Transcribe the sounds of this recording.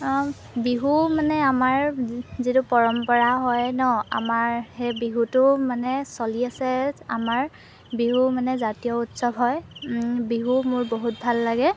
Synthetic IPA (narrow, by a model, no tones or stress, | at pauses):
biɦumanɛamaɹzitʊpɔɹɔmpɔɹaɦɔjnɔa̰maɹhejbiɦutʊmanɛsoliasɛa̰maɹ | biɦumanɛzatijɔutsɔbɦɔjbiɦumʊɹboɦut̚bʱalːaɡɛ